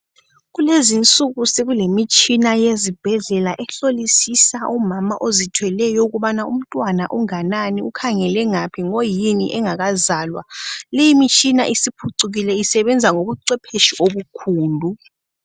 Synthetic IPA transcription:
ɣulezint͡sʼuɣuseɣulemit͡ʃʼinajezib̥ʱɛɮɛlaʔɛɬolisisaʔumamaʔozitʰwɛlɛjɔuɣuɓanaṵm̩tʼwanaʔuŋananiukʰaŋɛlɛŋapʰiŋojinḭʔɛŋaɣazaːlwa̰lejimit͡ʃʼina̰ʔisipʰuǀuɣilɛisɛβɛnd͡zʱaŋoβuǀɛpʰeʃiʔoβukʰuːndʱu

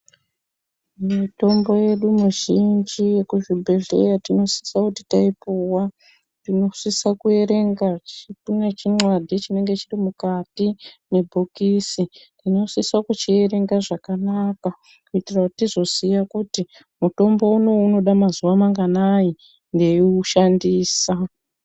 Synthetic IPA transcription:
mito̞mbo̞je̞ɗumuʒind͡ʒije̞kuʒibʱe̞ɮe̞̰jatino̞si̥sakuti̥taipuwa | tino̞sisakue̞ɾe̞ŋɡat͡ʃitunat͡ʃinwadʱit͡ʃine̞ŋɡe̞t͡ʃirimukatine̞bʱokiːsitino̞sisakut͡ʃie̞ɾe̞ŋɡaʐakanaka | kuitirakuttizo̞sijakuti | muto̞mbo̞uno̞uno̞ɗamazuʋamaŋɡanaji | nde̞juʃandiːsa

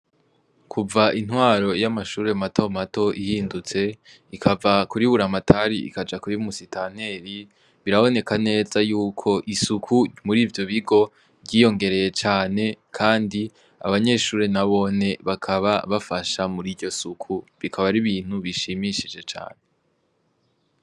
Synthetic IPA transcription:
kʰuvaʔin̥hwaːɾo̞jamaʃuːɾe̞matʰo̞mato̞ʔihiːndut͡se̞ | ikʰavakuɾiβuɾamatʰaɾiḭkad͡ʒakuɾimusitan̥e̞ɾi | βiɾaβo̞ne̞kane̞ːzajuːkʰo̞ʔisukʰumuɾiːvjo̞βiɡo̞ | ɟiːjo̞ŋɡe̞ɾe̞je̞t͡ʃaːne̞kʰaːndi | a̰βaɲe̞ːʃuːɾe̞naβo̞ne̞βakʰaβaβafaʃamuɾiɾɟo̞sukʰuβikʰaβaɾiβiːn̥huβiʃimiʃid͡ʒe̞t͡ʃa̰ːne̞

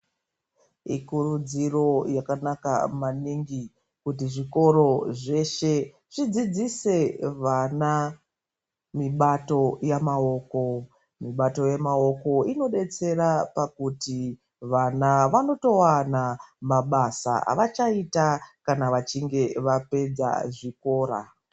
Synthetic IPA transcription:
ikurud͡ziro̞jakanaka̰maniŋɡi | kut̬iʐiko̞ɾo̞ʐe̞ʃe̞ | ʐ̥id͡zid͡zise̞ʋana | miɓato̞jamao̞ːko̞ | miɓato̞jemao̞ko̞ino̞ɗe̞t͡se̞ɾapakuti | ʋanaʋano̞to̞wanamaɓasa̰a̰ʋat͡ʃaitakanaʋat͡ʃiŋɡe̞ʋape̞d͡za̰ʐiko̞ːɾa̰

